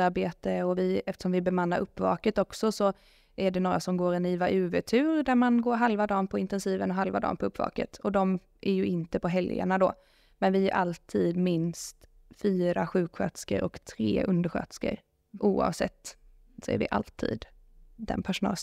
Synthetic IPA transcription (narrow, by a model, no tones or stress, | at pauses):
aɾbeːt̪əɔvɪɛft̪ə̥ʂɔmvɪbɛmanːaɾʔɵpːvɑ̰ːkət̪ɔksɔsɔ | ʔæɖɛnoːɾasɔmɡoːɾɛniːvaʔʉ̟ːvɛt̪ʰʉ̟ːɾd̪æɾmanɡoːɾɦalvad̪ɑːnpʰɔɪnt̪ɛnsiːvənɔɦalvad̪ɑ̰ːnpʰɔɵpːvɑ̰ːkə̰t̪ʰɔd̪ɔm | ʔæɾjɵɪnt̪əpɔɦɛljə̰ɳad̪ɔ̰ː | mɛnvɪæɾʔalt̪ʰiːd̪mɪnst̪ | fyːɾaɧʉ̟ːkɧœt̪skə̰ɾʔɔ̰kt̪ʰɾḛːʔɵnd̪əɾɧœ̰ːt̪skə̰ɾ | ʔuːɑ̰vsɛ̰t̪ː | sɔæ̰ɾvɪ̰ʔa̰lt̪ʰḭːd̪ | d̪ɛ̰npʰæʂʊnɑ̰ːl